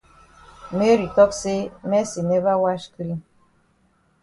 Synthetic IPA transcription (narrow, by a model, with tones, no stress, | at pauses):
me˦ɾi˨tɔ˦kse˦mɛ˦si˨nɛ˦va˦wa˦ʃkɨ˦l